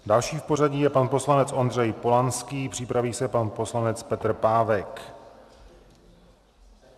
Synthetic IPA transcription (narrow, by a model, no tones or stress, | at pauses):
dalʃiːfpo̞r̝aɟiːjɛpanpo̞slanɛt͡sʔo̞nd̪r̝ɛjpo̞lanskiːpr̥ɪpɾaviːsɛpanpo̞slanɛt͡spɛt̪r̩paːvɛk